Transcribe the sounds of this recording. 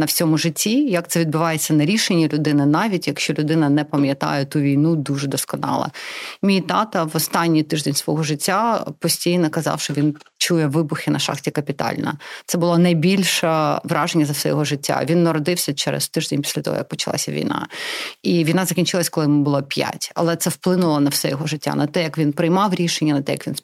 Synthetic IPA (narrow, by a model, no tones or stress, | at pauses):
nɐwsʲɔmʊʒɪtʲːijɐk̚t̪sɛʋʲid̪̚bʊʋɑjet͡sʲːɐnɐɾʲiʃenʲːilʲʊd̪ɪnɪnɑʋʲitʲjɐkʃt͡ʃɔlʲʊd̪ɪnɐnɛpɐmʲjɐt̪ɑ̰jɛt̪uʋʲijnud̪uʐɛd̪ɔskɔnɑ̰lˠɐ̰mʲijt̪ɑt̪ɐʋɔst̪ɑnʲːijt̪ɪʒd̪enʲsʋɔɦɔʒɪtʲːapɔsʲtʲijnɔkɐzɑ̰wʃt͡ʃɔʋʲin | t͡ʃujɛʋɪbʊxɪnɐʃɑ̰xtʲikɐpʲit̪ɑ̰lʲnɐ̰t̪sɛbʊlˠɔnɐjbʲilʲʃɛʋɾʔɑʒenʲːɐzɐwsɛjɔ̰ɦɔʒɪtʲːa̰ʋʲinːɐɾɔd̪ɪwsʲɐt͡ʃɛ̰ɾɛ̰st̪ɪʒd̪enʲpʲi̥sʲlʲɐt̪ɔ̰ɦɔ̰jɐk̚pɔt͡ʃɐlˠɑ̰sʲɐʋʲḭjnɑ̰iʋʲijnɑzɐkʲinʲt͡ʃɪlˠɐsʲkɔlˠɪbʊlˠɔpʲja̰tʲɐ̰lˠɛt̪sɛwplˠɪnʊlˠɔnɐwsɛjɔɦɔʒɪtʲːa̰nɐt̪ɛjɐkʋʲinpɾɪjmɑwɾʲiʃenʲːɐnɐt̪ɛjɐkʋʲin